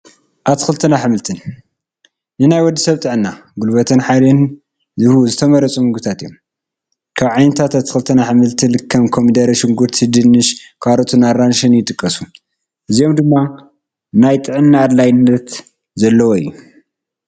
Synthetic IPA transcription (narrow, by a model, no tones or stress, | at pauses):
ʔat̪ʰːɨ̥xɨlt̪ʰɨnaħɨmɨlt̪ʰɨn | nɨnajwɔd̪ːisɐβt̪ʼɨʕɨnːaɡulbɐt̪ʰɐnħalen | zɨhuzɨt̪ʰɐmɐɾɐt͡sʼumɨɡɨt̪ʰat̪ijom | kʰaβʕajnɐt̪ʰat̪at̪ʰɨxɨlt̪ʰɐnaħɨmɨlt̪ʰɨlɨkʰːɐmkʰomd̪ɐɾɐʃɪŋɡuɾt̪ʰɨd̪ɨnːɨʃkʰaɾɐt̪ʰunaɾanʃɨnjɪt̪ʼɨkʼːɐsu̥ | ʔɨzijo̞md̪ɨmːa | najt̪ʼɨʕɨnːaːd̪lajnːɐt̪ | zɐlːɐwoɨ̰jːu